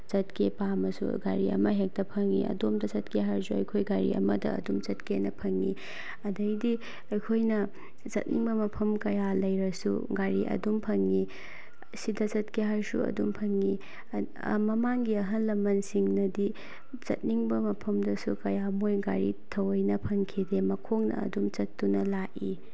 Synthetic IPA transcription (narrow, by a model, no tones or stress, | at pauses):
t͡ʃɐt̚kepamɐsṵɡa̰ɾiɐ̰mɐɦek̚tɐpʰɐŋːḭʔɐ̰domdɐsɐt̚keɦaɾsuɐjkʰojɡaɾḭɐ̰mɐdɐ̰ːdumt͡ʃɐtkenɐpʰɐŋːi | ɐdɐjdi | ɐjkʰojnɐ | zɐ̰t̚niŋbɐmɐpʰɐmkɐjalɐjɾɐsṵɡaɾiʔɐ̰dumpʰɐŋi | sidɐt͡ʃɐtkeɦaɾsṵɐ̰dumpʰɐŋi | mɐmaŋɡiɐɦɐnlɐmɐnsiŋnɐdi | zɐ̰t̚niŋbɐmɐpʰɐmdɐsukɐjamojɡaɾitʰɐwɐjnɐpʰɐŋkʰidemɐkʰoŋnɐ̰ɐ̰dumt͡ʃɐtːunɐlaʔi